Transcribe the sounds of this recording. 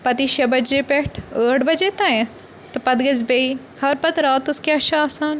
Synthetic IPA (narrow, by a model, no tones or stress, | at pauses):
pɐt̪iʃɐbɐd͡ʒepɛʈʰəːʈʰbɐd͡ʒet̪ɐ̃ẽ | t̪ɐpɐd̪ɡɐzbei | hɐɾpɐt̪ɾaːt̪ʊskeɐʃɐaːsaːn